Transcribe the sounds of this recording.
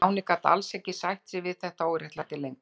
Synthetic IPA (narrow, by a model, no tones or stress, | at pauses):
wnɪkat̪a̰lsɛcːɪsajht̪sɪvɪðθɛht̪aoːwɾjɛht̪lat̪ɪlejŋk